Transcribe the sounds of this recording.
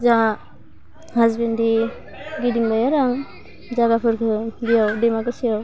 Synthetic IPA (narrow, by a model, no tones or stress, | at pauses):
za | hazbendi | ɡidiŋbajaɾaŋ | zaɡapʰɯɾkʰɯbijawdemakɯsijaw